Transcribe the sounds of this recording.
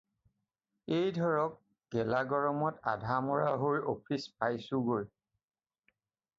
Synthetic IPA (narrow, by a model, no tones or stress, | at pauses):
ejdʱɔɹɔk̚ | ɡ̥ɛlaɡɔɹɔmɔta̰dʱamɔɹaɦojopʰispajsuɡoj